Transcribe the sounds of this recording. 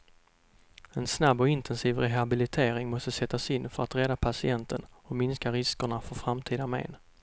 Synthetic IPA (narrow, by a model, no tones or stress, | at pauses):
ɛnsnabːɔɪnt̪ʰɛnsiːvɾɛɦabɪlɪt̪ʰeːɾɪŋmɔst̪əsɛt̪ːasɪnːfœɾat̪ɾɛd̪apʰasɪɛnt̪ʰənɔmɪnskaɾɪskəɳafœɾfɾamt̪ʰiːd̪amḛːn